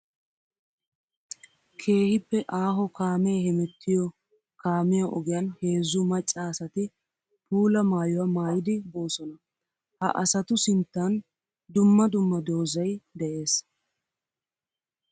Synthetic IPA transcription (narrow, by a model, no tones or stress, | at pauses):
kʰe̞ːhɪpːɛʔaːɦɔkʰaːmɛjhɛmɛt̪ʰːɪjɔ | kaːmɪjaʔɔɡɪjanhe̞ːzːʊmɐt͡ʃʼːasɐt̪ɪ | puːlɐmaːjɔwamaːjɪd̪ɪbo̞ːsɔnɐ | hɐ̰ʔɐsɐt̪ʊsɪnt̪ːan | d̪ʊmːɐd̪ʊmːɐd̪o̞ːzɐjd̪ɛʔe̞ːs